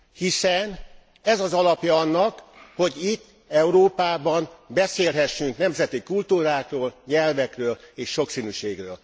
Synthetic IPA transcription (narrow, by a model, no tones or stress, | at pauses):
hisɛn | ɛzɒzɒlɒpjɒɒnːɒkho̞ɟit̪ː | ɛuɾoːpaːbɒnbɛseːlɦɛʃːyŋknɛmzɛt̪ikult̪uːɾaːkroːlɲɛlvɛkrøːleːʃːo̞ksinyːʃeːɡrøːl